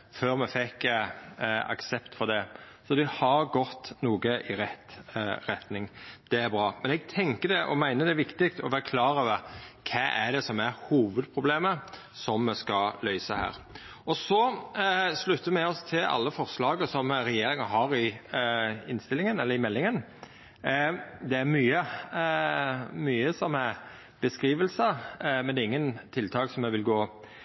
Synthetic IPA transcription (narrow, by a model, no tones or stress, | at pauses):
føːɾmɛfɛkː | ɑ̰ksɛpt̪fɔʁd̪ɛ | sɔd̪ɛhɑɾɡɔt̪ːnuːɡəʔɪɾɛt̪ːɾɛt̪nɪŋd̪̥ɛæɾbɾɑːmɛnɛɡ̚t̪ʰɛŋkəd̪ɛʔɔ̰mæɪnəd̪ɛʋɪkt̪ɪkt̪ɔʋæːɾkʰlɑːɾədəkʰɛːʔæd̪ɛsɔmæɾhuːʋəd̪̚pʰɾʊbleːmə | sɔmːɛskɑlœʏsəhæ̰ːɾ | ɔsɔ | slʉt̪ʰːəmɛɔst̪ʰɪlɑ̰lːəfɔʁslɑːɡəsɔmɾɛjeːɾɪŋɑɦɑːɾɪ | ɪnst̪ɪlːɪŋənɛlːəɾɪmɛlːɪŋən | d̪ɛæɾmyːə | myːəsɔmæ | b̥əskɾiːʋəlsəmɛnd̪ɛɪŋːənt̪ʰɪlt̪ʰɑːksɔmɛʋɪlɡoː